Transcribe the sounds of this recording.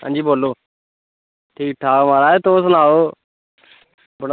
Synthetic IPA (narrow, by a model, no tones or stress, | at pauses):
ə̰̃ːnd͡ʒiːboːloː | ʈʰiːk̚ʈʰaːmaːɾaːeːt̪oːs̬naːɦoː | bəɽ